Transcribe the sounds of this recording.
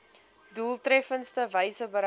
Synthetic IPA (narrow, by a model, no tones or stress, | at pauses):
duːlˠtrɛfənstəvəjsəbəɾ